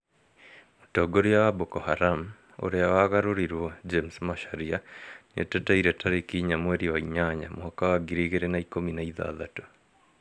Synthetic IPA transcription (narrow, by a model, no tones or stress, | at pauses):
motɔɡoɾiawabokɔhaɾam | o̰ɾeawaɣaɾoɾiɾwɔd͡ʒemsmaʃaɾianḛtetaiɾetaɾekiːɲamweɾiwaiɲaɲa̰mwakawaɡiɾiɣeɾenaikominaiða̰ːðato̥